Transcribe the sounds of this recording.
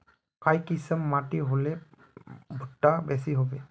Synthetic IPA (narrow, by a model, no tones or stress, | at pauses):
kajkisəmːatiɦolɛ | bʱutːabɛsiɦobɛ